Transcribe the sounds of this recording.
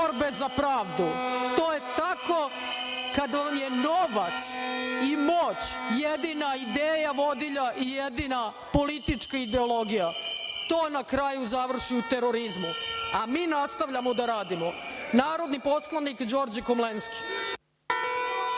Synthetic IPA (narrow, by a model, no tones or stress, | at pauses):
oɾbe̞zapɾaːʋd̪ut̪o̞ːje̞t̪ako̞ | kad̪ʋaamje̞no̞ʋat̪simoːt͡ɕjed̪iːnaid̪eːjaʋo̞d̪iʎaʔije̞d̪iːna | polit̪it͡ʂkaid̪e̞olo̞ɡijat̪o̞ːnakɾajuzaʋr̩ʃiut̪e̞ɾo̞ɾizmuamiːnast̪aʋʎamod̪aɾaːd̪imonaːɾo̞d̪nipo̞slˠanikd͡ʑo̞ːɾd͡ʑekomlenski̥